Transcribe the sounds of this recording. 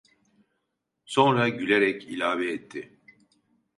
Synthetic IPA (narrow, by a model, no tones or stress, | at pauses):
so̞nɾaɟylʲeɾɛcilʲaːvɛːt̪ʰːɪ